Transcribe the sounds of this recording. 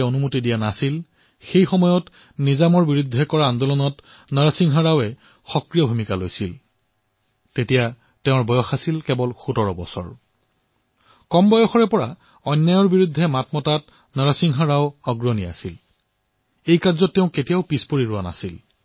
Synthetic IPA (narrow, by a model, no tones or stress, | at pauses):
onumutidijanasil | xejxɔmɔjɔt | nizamɔɹbiɹud̪ʱːɛkɔɹaːndɔlɔnɔt | nəɹasiŋɦɔɹawɛ | xɔkɹijɔbʱumikalojsil | tetija | tɛʊ̃ɹbɔjɔxasilkɛbɔlxutɔɹɔbɔ̰sɔ̰ɹ | kɔmbɔjɔxɔɹɛpɔɹa | ɔjnːajɔɹbiɹud̪ʱːɛmatmɔtat | nəɹasiŋɦɔɹawɔɡɹɔnia̰sil | ejkaɹzɔtːeʊ̃ketijaʊpispoɹiɹʊana̰sil